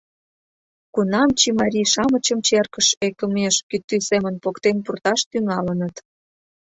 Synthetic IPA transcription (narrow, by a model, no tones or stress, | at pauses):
kunɑmt͡ɕimɑɾʲiʃɑmət͡ɕəmt͡ɕerkəʃekə̆meʃkyt̪ːysemənpokt̪enpurt̪ɑʃt̪yŋɑlənət̪